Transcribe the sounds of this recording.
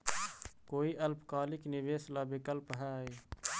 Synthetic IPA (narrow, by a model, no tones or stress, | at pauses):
koːiʔɐlpkaːlɪknɪʋeːslaːbɪkəlpɦɛ̃iː